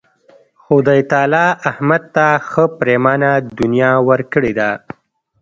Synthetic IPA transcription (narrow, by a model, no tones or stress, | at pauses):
xʊd̪ajt̪ɑlɑʔahmad̪̚t̪axəpɾemɑnad̪ʊnjɑwəɾkəɽed̪a